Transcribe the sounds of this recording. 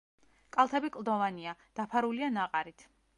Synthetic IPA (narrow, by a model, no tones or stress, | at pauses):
kʼalˠt̪ʰɛbikʼlˠd̪ɔvaniad̪̥apʰaɾulianaqʼaɾit̪ʰ